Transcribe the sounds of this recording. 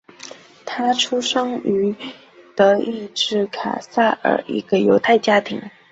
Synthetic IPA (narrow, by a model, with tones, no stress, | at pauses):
t̪ʰa˥ʈ͡ʂʰu˥ʂɤ˥ŋy˧˥ | t̪ɤ˧˥i˥˧ʈ͡ʂɻ̩˥˩kʰa̰˨˩sa˥˩ə̰˞˨˩ḭ˧˥ɡ̥ə˧jo˧˥ʊt̪ʰa˥˩ɪt͡ɕja˥t̪ʰḭ˧˥ŋ